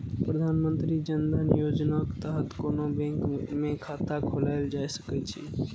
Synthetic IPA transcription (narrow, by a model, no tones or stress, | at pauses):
pɾəd̪ʱanmənt̪ɾid͡ʒənd̪ənjod͡ʒnake̥t̪əɦət̪konobẽŋkmẽkʰat̪akʰolaɪld͡ʒajsə̥kɛt͡ʃʰḭ